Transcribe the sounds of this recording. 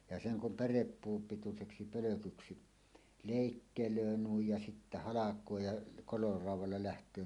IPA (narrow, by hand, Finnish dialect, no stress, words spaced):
jɑ seŋ kum pærepːuːm pituseksi pøløkyksi leˑikːeløː nuij jɑ sitːæ hɑlɑkˑoː jɑ koiorɑuwˑɑlːɑ læhtˑøː